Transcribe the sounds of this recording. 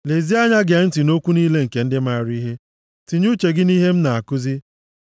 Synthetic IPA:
le˨zi˦a˦ɲa˦ɡe˨˦n̩˦ti˨no˦kʷu˦niː˦le˦ŋ̩˨ke˨n̩˦dɪ˦m˦a˦˨ɾi˦ɦe˦ | ti˨ɲu˦t͡ʃe˨ɡɪ˦ni˦ɦe˦m̩˦na˨a˨kʊ˦zi˦

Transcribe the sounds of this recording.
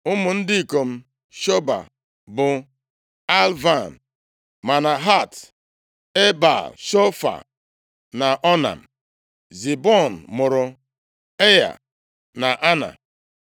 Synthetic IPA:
ʊ˦mʊ˨n̩˦dɪ˦i˨ko˨m̩˦ | ʃo˦ba̰˨ | bʊ˨ | a˦lva˦˨n˨ | ma˨na˨ɦa˦˨t | e˦ba̰˨ʃo˦fa̰˨ | na˨ʔɔ˦na̰˨m̩˨ | zi˨bɔ˦˨n̩˨mʊ˨ɾʊ˨ | e˦ja̰˨ | na˨ʔa˦na̰˨

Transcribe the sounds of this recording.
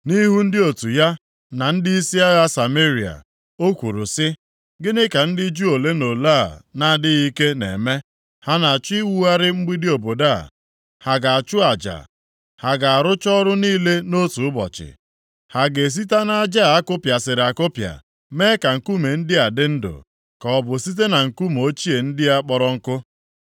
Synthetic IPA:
ni˦ɦu˦n̩˦dɪ˦o˨tu˨ja˦ | na˨n̩˦dɪ˦i˦si˦a˦ɣa˦sa˨me˦ɾi˨a̰˨ | o˦kʷu˨ɾu˨sɪ˦ | ɡɪ˦nɪ˦ka˨n̩˦dɪ˦d͡ʒu˦o˨le˦no˨la̰˦˨na˨dɪ˦i˦ke˦nḛ˨me˦ | ha˦na˨a˨t͡ʃʊ˦i˦wu˦a˦ɾɪ˦ŋ͡m̩˦ɡ͡bi˦dɪ˦o˨bo˨da̰˦˨ | ha˨ɡa˨a˨t͡ʃʊ˦a˨d͡ʒa̰˨ | ha˨ɡa˨a˨ɾʊ˦t͡ʃɔ˦ɾʊ˦niː˦le˦no˦tu˨ʊ˦bɔ̰˨t͡ʃɪ̰˨ | ha˨ɡe˨s̬i˦ta˦na˦d͡ʒa˦˨a˦kʊ˦pja˨sɪ˨ɾɪ˨a˨kʊ˦pja̰˨ | me˦ka˨ŋ̩˨ku˦me˨n̩˦dɪ˦a˨dɪ˦n̩˦dʊ̰˨ | kɔ˨ɔ˨bʊ˨si˦t̬e˦na˨ŋ̩˨ku˦m˨o˦t͡ʃi˦e˨n̩˦dɪ˦a˦k͡pɔ˦ɾɔ˦ŋ̩˦kʊ˦

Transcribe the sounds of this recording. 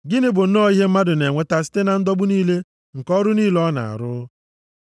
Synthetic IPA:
ɡɪ˦nɪ˦bʊ˨n̩˦nɔ˦˨i˦ɦe˦m̩˦ma˦dʊ˨ne˨ŋʷe˦ta˨si̥˦te˦na˨n̩˦dɔ˦bʊ˦niː˦le˦ | ŋ̩˨kɔ˦ɾʊ˦niː˦lɔ˦na̰˨a̰˨ɾʊ˦

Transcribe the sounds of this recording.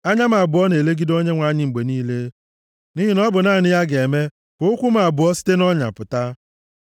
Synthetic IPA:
a˦ɲa˦ma˨a˨bʊ˨ɔ˦ne˨le˦ɡi˦do˦ɲe˦ŋʷa˨˦ɲɪ˦ŋ͡m̩˨ɡ͡be˨niː˦le˦ | ni˦ɦi˦nɔ˦bʊ˨naː˦˨nɪ˦ja˦ɡe˨me˦ | kʊ˦ʊ˦kʷu˦ma˨a˨bʊ˨ɔ˦si̥˦te˦nɔ˦ɲa̰˨pʊ˨ta˦

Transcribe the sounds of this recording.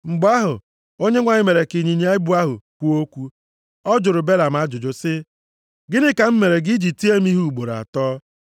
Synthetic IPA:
ŋ͡m̩˨ɡ͡bʊ˦a˦ɦʊ˨ | o˦ɲe˦ŋʷa˨ɲɪ˦me˨ɾe˨ki˨ɲi˨ɲe˦a˦bʊ˦a˦ɦʊ̰˨kʷu˦o˦kʷu˦ | ɔ˦d͡ʒʊ˨ɾʊ˨be˦la˨m̩˨a˦d͡ʒʊ˨d͡ʒʊ˨sɪ˦ | ɡɪ˦nɪ˦ka˨m̩˦me˨ɾe˨ɡi˦d͡ʒi˨ti˦e˦m˦i˦ɦu˦u˨ɡ͡bo˨ɾa̰˨tɔː˦

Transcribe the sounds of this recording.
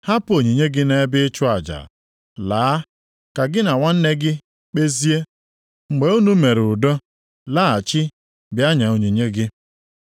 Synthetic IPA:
ha˦po˨ɲi˨ɲe˦ɡɪ˦ne˦bɪ˦t͡ʃʊ˦a˨d͡ʒa̰˨ | laː˨˦ | ka˨ɡɪ˦na˨ŋʷa˦n̩˦ne˦ɡɪ˦ | k͡pe˦zi˦e˦ | ŋ͡m̩˨ɡ͡be˨˦u˦nu˦me˨ɾʊ˨dɔ˦ | la˦a˨t͡ʃɪ˦ | bja˦ɲa˨o˨ɲi˨ɲe˦ɡɪ˦

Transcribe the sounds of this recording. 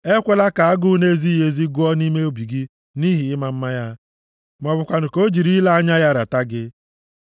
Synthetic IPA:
e˦kʷe˨la˦ka˨a˦ɡʊ˦ne˦zi˦je˨zi˦ɡʊ˦ɔ˦ni˦me˦o˦bi˨ɡi˦ | ni˦ɦi˨ɪ˦ma˦m̩˦ma˦ja˦ | mɔ˨bʊ˨kʷa˨n̩˨ko˦d͡ʒi˨ɾi˦la˦a˦ɲa˦ja˦ɾa˨ta˦ɡɪ˦

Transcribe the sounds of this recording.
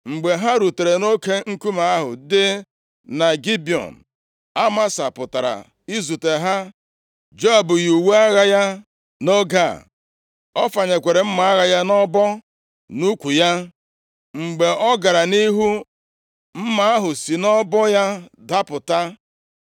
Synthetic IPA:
ŋ͡m̩˨ɡ͡be˨ɦa˦ɾu˨te˨ɾe˨no˦ke˦ŋ̩˦ku˦ma˨a˦ɦʊ̰˨dɪ˦ | na˨ɡi˦bi˨ɔ̰˨n̩˨ | a˦ma˦sa˨pʊ˨ta˨ɾa̰˨ | i˦zu˨te˨ɦa˦ | d͡ʒo˦a˨bʊ˨ju˨wu˦a˦ɣa˦ja˦ | no˦ɡa̰˦˨ | ɔ˦fa˨ɲe˨kʷe˨ɾe˨m̩˦ma˨a˦ɣa˦ja˦nɔ˦bɔ˦ | nu˦kʷu˨ja˦ | ŋ͡m̩˨ɡ͡be˨ɔ˦ɡa˨ɾa˨ni˦ɦu˦ | m̩˦ma˨a˦ɦʊ˨si˨nɔ˦bɔ˦ja˦da˦pʊ˨ta˦

